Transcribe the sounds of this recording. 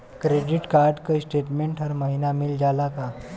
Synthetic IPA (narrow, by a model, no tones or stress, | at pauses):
kɾeɖiʈkaɾɖkəjsʈeʈmeɳʈɦəɾməɦinamild͡ʑalaka